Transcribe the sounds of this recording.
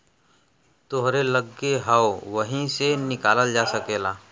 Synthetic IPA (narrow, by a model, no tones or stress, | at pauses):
t̪oɦɾeləɡːeɦəwʋəɦĩsenɪkaːləld͡ʒaːsəkeːlaː